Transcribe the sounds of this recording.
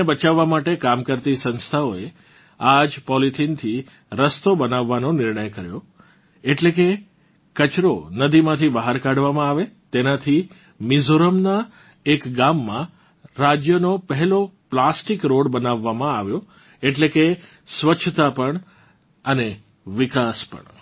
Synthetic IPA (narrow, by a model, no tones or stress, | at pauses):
bət͡ʃaʋːamaʈekamkəɾt̪isə̃nst̪ʰaoe | ad͡ʒpɔlit̪ʰint̪ʰi | ɾəst̪obənaʋːanonɪɾɳəjkəɾjo | eʈlek̬e | kət͡ʃɾonəd̪imãt̪ʰibəɦaɾkaɽʋamãaʋet̪enat̪ʰi | mɪzoɾəmna | ekɡamːã | ɾad͡ʒjənopəɦɛloplasʈikɾoɽbənaʋːamãaʋjo | eʈleke | sʋət͡ʃʰt̪apəɳ | əne | ʋɪkaspə̰ɳ